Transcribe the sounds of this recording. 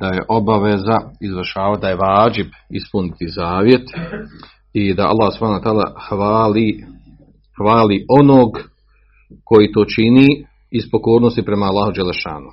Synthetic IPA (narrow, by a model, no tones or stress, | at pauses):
d̪̥aje̞ʔo̞baʋezaizʋrʃaːʋad̪ajeʋaːd͡ʒibispunit̪izaːʋje̞t̪ | id̪aʔa̰lːaːhsub̥haːnawt̪aːla̰hʋali | hʋaːliʔo̞noːɡ | ko̞jiːt̪o̞ːt͡ʃini | ispo̞ko̞ːɾnost̪ipɾe̞maːlːaːhud͡ʒelːeʃa̰ːnu